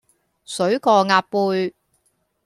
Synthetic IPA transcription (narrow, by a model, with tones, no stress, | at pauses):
sɵ˨˥ɥkɔː˧ŋaː˧t̚puː˧j